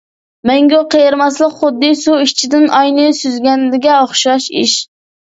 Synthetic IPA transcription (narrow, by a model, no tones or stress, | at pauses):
mɛŋɡʲoqʰejɪɾmɑslˠəqχʊd̪ːɨsuit͡ʃʰid̪ɪnʔɑjnɨsyzɡʲɛnlɪɡʲɛoχʃɑʃḭʃ